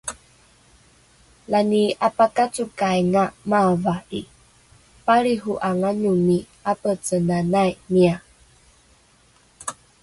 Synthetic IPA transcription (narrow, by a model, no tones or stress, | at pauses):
laniapakat͡sukajŋamavai | paɭiɦuʔaŋanumi | apət͡sənanajmia